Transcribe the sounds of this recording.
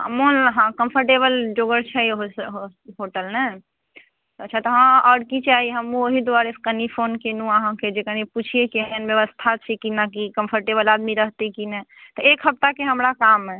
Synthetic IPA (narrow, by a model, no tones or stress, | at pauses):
ə̰monɦãkəmpʰəɾʈebəld͡ʒoɡəɾt͡ʃʰɛɦoɦɦoʈəlnɛ | t̪əːt͡ʃʰat̪ɔɦãɔɽkit͡ʃaɦiɦəmũoɦid̪uaɾeskənipʰonkenũəɦãked͡ʒekəniput͡ʃʰiekiɦnbjəʋəst̪ʰat͡ʃʰikinakikəmpʰəɾʈebəlad̪miɾəɦt̪ekinɛt̪ɔekɦəp̚t̪akeɦəmɾakamːẽ